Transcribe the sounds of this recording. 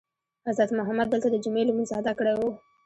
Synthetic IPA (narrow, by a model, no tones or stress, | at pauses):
azat̪mʊɦamad̪̚ːəlt̪ad̪əd͡ʒʊmelumənzaad̪akəɽewu